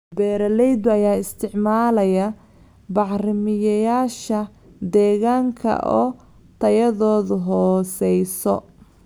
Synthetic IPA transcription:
bɛːɾɐlɛjd̪ʊɐjaːɪst̪ʰɪʕmaːlɐjɐ | bɑʕrɪmɪjɐjaːʃɐ | d̪ɛːɣaːŋkʰɐ̰ʔɔ̰ː | t̪ʰɐjɐðɔːðʊɦɔːsɛjsɔ̰

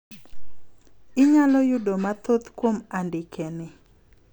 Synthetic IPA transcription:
ɪɲalɔjʊdomat̪ot̪kwomandɪkʰenɪ

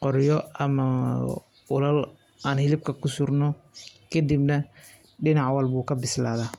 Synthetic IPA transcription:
qɔɾjɔɐmɐ | ɔlɐl | aːnhɪlɪb̚kʰɐkʰʊsʊrnɔkʰɐd̪ibnɐ | ɖɪnɑʕwɐlbuːkʰɐbɪslaːðaː

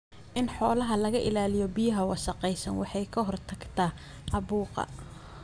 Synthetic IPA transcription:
ʔɪnħɔːlɐɦɐlɐɣɐʔɪlaːlɪjɔbɪjɐɦɐwɑsɑqɛjsɐnwɑ̰ħɑjkʰɐɦɔrt̪ʰɐɡt̪ʰɐː | ʔɑβuːqɑ̰

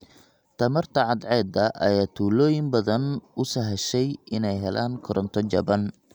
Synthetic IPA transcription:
t̪ʰɐmɐrt̪ʰɐʕɑd̪ʕɛːd̪ɐʔɐ̰jaːt̪ʰuːlɔːjɪmbɐðɐnʊsɐɦɛʃɛjɪnɛjɦɛlʔaːŋkʰɔɾʔɔnt̪ʰɔt͡ʃɐbɐn

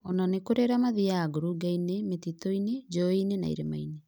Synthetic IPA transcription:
ɔnanekoɾeɾamaðijaːɡoɾuɡainemetitɔined͡ʒɔinena̰ḭɾemaine

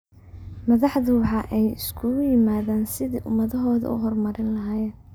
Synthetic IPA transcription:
mɐðɑħðʊwɑħɑːʔɛjɪ̰skʰʊjɪmaːðaːnsɪðiːʔʊmɐðɐɦɔːðɐ̰ʔʊ̰ɦɔrmɐɾɪnlɐɦaːjɛːn

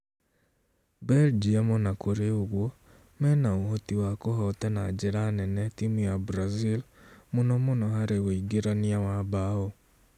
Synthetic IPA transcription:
bɛld͡ʒiamonakʰoɾeoɣwɔ | mɛnaoɦotiwakoɦɔtɛnad͡ʒeɾanɛnɛtimujabɾazilmonɔmonɔɦaɾeoiɡeɾaniawaβao

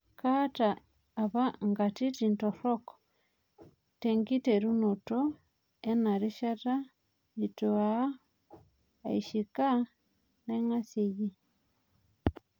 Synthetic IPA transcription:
kataː | βaŋɡatitintoɾok | teŋɡiteɾunuto | enaɾiʃata | itua | iʃika | neŋasiji

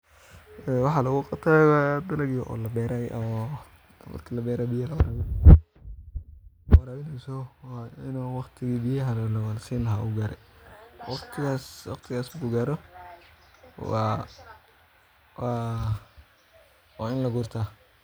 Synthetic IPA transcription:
ɛwɑħɑlɐɣʊqɑbt̪ʰaːwad̪ɐlɐɣjɔʔɔ̰ːlɐbɛːɾajʔɔ | mɐ̰rkʰiːlɐbɛːɾaːbɪjɐlɐwɑɾaːβɪn | wɑɾaːβɪnɛsɔwaɪnuːwɑqt̪ʰɪɣiːbɪjɐɦɐllɐwlsiːnlɐɦaːʔṵɡaːɾɛwɑqt̪ʰɪɣaːswɑqt̪ʰɪɣaːsɡʊɡaːɾɔ | waːɪnlɐɡʊrt̪ʰaː

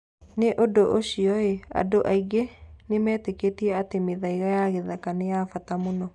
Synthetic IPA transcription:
neʔodoʔoɕiɔea̰doʔaiɡenemɛːteketiɛatemeðaiɣajaɣeðakanejafatamonɔ

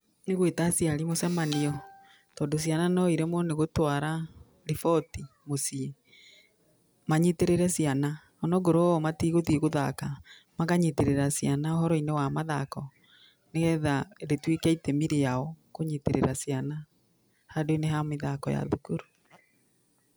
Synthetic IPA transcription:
neɣwetasiaɾimosɛmaniɔ | tɔːndos̬iananɔiɾemwɔneɣotwaɾa | ɾifɔti | mosie | maɲiteɾeɾɛsjana | ɔnɔɡoɾomatiɣotieɣoða̰ka | maɣaɲiteɾeɾasjanaohɔɾɔinewamaðakɔ | neɣɛðaɾetwekɛitɛmiɾejaɔkoɲiteɾḛɾasiana | hadoineɦameðakɔja̰ðukoɾu

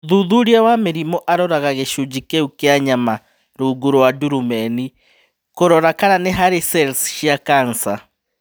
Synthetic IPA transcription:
ðuðuɾiawameɾimɔʔaɾɔɾaɣaɣeʃud͡ʑikeukeaɲama | ɾoɡuɾowaduɾumɛni | koɾɔɾakaɾaneɦaɾesɛlsʃiakansa

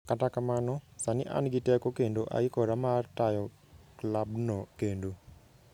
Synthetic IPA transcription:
katakamanɔsanɪʔa̰nɡɪtɛkokendoʔa̰ɪkɔɾamartajɔ | klabnɔkendo

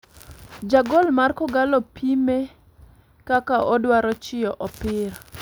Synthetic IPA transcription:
d͡ʒaɡɔlmarkɔɡalɔpime | kakaʔɔdwaɾɔt͡ʃɪɔʔɔpɪɾ

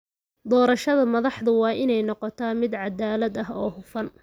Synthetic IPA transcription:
d̪ɔːɾɐʃɐðɐmɐðɑħðʊwɑːʔɪnɛjnɔqɔt̪ʰaːmɪd̪ʕɑd̪aːlɐd̪ɐɦɔːhʊfɐn

